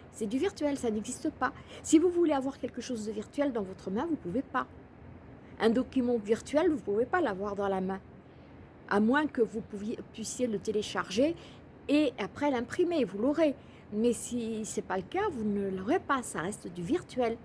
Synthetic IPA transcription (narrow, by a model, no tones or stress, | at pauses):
sɛd̪yviʁt̪ɥɛlsanɛɡzist̪əpasivuvuleavwaʁkʲɛlkəʃozd̪əviʁt̪ɥɛld̪ɑ̃vɔt̪χəmɛ̃vupuvepa | ɛ̃d̪ɔkʲymɑ̃viʁt̪ɥɛlvupuvepalavwaʁd̪ɑ̃lamɛ̃ | a̰mwɛ̃kəvupvjpɥisjelət̪eleʃaʁʒeː | apχɛlɛ̃pχimevulɔʁe | mɛsisɛpaləkavunəlɔʁepasaʁɛst̪d̪yviʁt̪ɥɛl